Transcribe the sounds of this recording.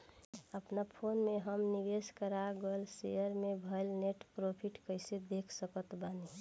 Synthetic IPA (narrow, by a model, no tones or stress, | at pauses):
əpnapʰonmẽɦəmniʋeskəɾaɡəlsejəɾmẽbʱəlneʈpɾopʰiʈkəɪsed̪ekʰsəkət̪bani